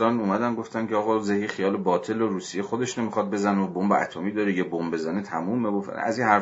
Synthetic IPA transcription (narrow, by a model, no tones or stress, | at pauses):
ɒːnuːmæd̪ænɡo̞ft̪ænkʲʰeɒːɣɒːzehiχijɒːlebɒːt̪ʰe̞loɾuːsijexod̪e̞ʃne̞mixɒd̪̚be̞zæneobombeæ̰t̪ʰomiːd̪ɒːɾejebombe̞zænet̪ʰæmuːmeɡofæ̰zinhæɾ